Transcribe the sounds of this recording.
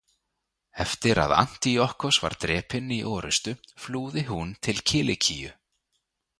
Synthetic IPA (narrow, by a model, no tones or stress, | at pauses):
ɛft̪ɪɾa̰ða̰n̥t̪iɔhkɔsva̰ɾt̪ɾɛːpɪnːiʔɔːɾʏst̪ʏfluːðɪɦunt̪ʰɪlcʰɪːlɪcʰijʏ̰